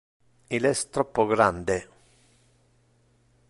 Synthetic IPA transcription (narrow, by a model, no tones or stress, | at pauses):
ilɛst̪ɾɔpːoɡɾand̪e